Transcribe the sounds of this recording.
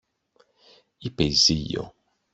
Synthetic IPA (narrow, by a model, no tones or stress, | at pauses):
ipezijo̰